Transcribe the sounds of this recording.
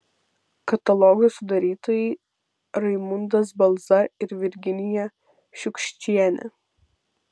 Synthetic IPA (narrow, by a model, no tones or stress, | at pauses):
kɐt̪ɐlˠɔɡʊsʊd̪ɐɾʲiːt̪oːjɛɪ | ɾɐɪmʊnd̪ɐsbɐlˠˑzɐɪɾʋʲɪɾʲɡʲɪnʲɪjɛ | ʃʲʊkʲʃʲt͡ʃʲiɛnʲɛ̰